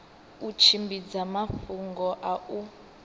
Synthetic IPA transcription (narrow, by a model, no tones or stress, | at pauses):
ut͡ʃʰimbid͡zamafuŋɡɔʔau